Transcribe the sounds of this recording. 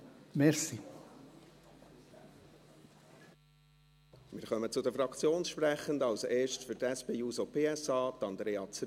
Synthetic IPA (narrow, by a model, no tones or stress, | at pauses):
mɛɾsi | mɪːɾχœmət͡sʊd̪əfɾɑkt͡sjoːnsʃpɾɛχəndɑwseːʃtfʏɾtɛspeːuːsɔpʰeːɛsɑːt̪ɑnd̪ɾeːɑt͡s